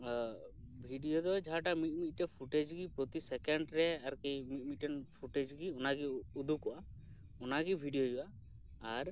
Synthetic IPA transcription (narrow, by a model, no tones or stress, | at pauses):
bʱiɖijod̪ɔd͡ʒaɦaʈamit̪̚ˀmit̪̚ʈɛpʰuʈed͡ʒɡipɾot̪isɛkɛɳɖɾɛaɾkejmit̪̚mit̪ɛnpʰuʈed͡ʒɡiɔnaɡiud̪ʱukɔʔa | ɔnaɡibʱiɖijod͡ʒuʔaː | ɾ